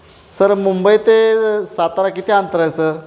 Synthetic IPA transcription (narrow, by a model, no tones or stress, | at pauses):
səɾmumbəit̪esat̪aɾakit̪ʰeant̪əɾajsəɾ